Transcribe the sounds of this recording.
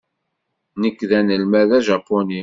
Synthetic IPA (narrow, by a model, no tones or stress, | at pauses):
nəkːðænəlmæðæʒɑpːoni